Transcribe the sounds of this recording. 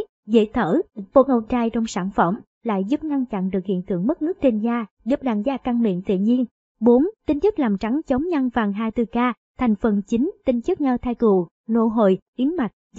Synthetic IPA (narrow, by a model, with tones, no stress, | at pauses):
zḛ˧˥t̪ʰəː˧˩ɓo˧ʔə˧˩t͡ɕaː˧jt͡ɕɔ˧wŋ͡msaː˧˩nfə˧˩m | la̰ː˧˨jzu˦˥p̚ŋa˧nt͡ɕa̰˧˨nɗɨ˨˩ək̚hḭ˧˨ənt̪ɨ̰˧˨əŋmɨ˦˥k̚ŋɨ˦˥ək̚t͡ɕe˧nzaː˧zɨ˨˩˥p̚ɗaː˧˩nzaː˧ka˧ŋmḭ˧˨ənt̪ḭ˧˨ɲi˧ən | ɓo˨˦nt̪i˧ŋ̟t͡ɕɨ˦˥k̚laː˨˩mt͡ɕa˨˦ŋt͡ɕə˨˦wŋ͡mɲa˧nvaː˨˩ŋɦaː˧jt̪ɨ˧˩kaː˧ | t̪ʰŋ̟fə˨˩nt͡ɕi˨˦ŋ̟t̪ï˧ŋ̟t͡ɕɨ˦˥k̚ɲə˧t̪ʰaː˧jk̪u˨˩ | lo̰˧˨ɦo̰˧˨jʔi˨˦əŋma˨˩t̚